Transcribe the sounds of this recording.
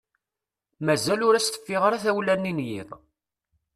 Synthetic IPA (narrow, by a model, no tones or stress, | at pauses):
mæzælʊɾæst̪ə̥fːɪʁɾæθæwlænːinjḭðˤ